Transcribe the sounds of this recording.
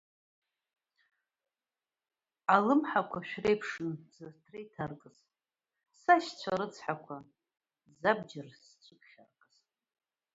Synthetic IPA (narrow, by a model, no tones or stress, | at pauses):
alɨmħakʷʰaʃᶣrejpʰʂɨnzɨrtʰrejtʰarkʼɨz̥ | saʃt͡sʷʰaɾɨt͡sʰħakʷʰa | zabd͡ʒɪrst͡sʷʰʼɨkʰχʲa̰rkʼɨz̥